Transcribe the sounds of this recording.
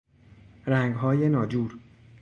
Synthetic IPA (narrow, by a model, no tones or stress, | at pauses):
ɾæŋɡɦɒːje̞nɒːd͡ʒuːɾ